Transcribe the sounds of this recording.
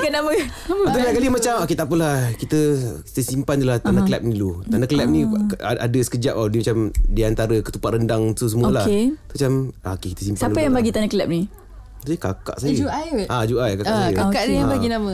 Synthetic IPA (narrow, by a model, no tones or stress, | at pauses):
kanaməaməubaakalimat͡ʃamoket̪aʔpəlahkit̪əi̥t̪əsimpant̪ulaht̪anakəlɛp̚nilut̪anaklɛp̚nĩa̰dəsə̥kəd͡ʒap̚adimat͡ʃamdiant̪aɾəkət̪upaʔ̪ɾəndaŋt̪us̬əmuoalaket̪mat͡ʃamaokekit̪əsimpaant̪əjaŋbaɡit̪anakəlɛp̚ni | ikaka̰ʔsaəd͡ʒuajʔad͡ʒuʔajkakaəkakaʔnijabaɡinamə̃